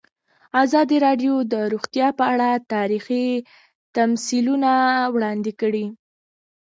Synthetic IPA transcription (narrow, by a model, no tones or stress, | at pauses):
azɑd̪iɾɑɖjod̪əɾoɣt̪jɑpəaɽat̪ɑɾixi | t̪amsilunawɽɑnd̪ɪkəɽi